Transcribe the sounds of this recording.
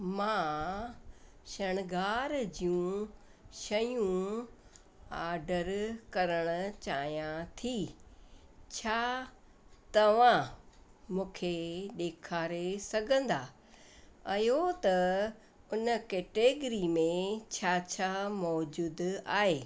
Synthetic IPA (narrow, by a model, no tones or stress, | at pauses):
mãː | ʃɐɽ̃ɡaːɾd͡ʑijũ | ʃɐjũ | aːɾɖəɾkɐɾəɽ̃ʊ̆t͡ɕaːɦijãt̪ʰi | t͡ɕʰaː | t̪ɐʋã | mũːkʰeɗ̪eːkʰaːɾesɐɡʱə̃nd̪aː | ɐjot̪ɐ | ʊnkeːʈeːɡɾimẽt͡ɕʰaːt͡ɕʰaːmɔːd͡ʑuːd̪a̰ːɦeː